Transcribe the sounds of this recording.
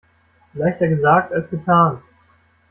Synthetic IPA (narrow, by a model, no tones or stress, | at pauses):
laɪçtɐɡəzaːk̚talsɡ̥ətʰaːn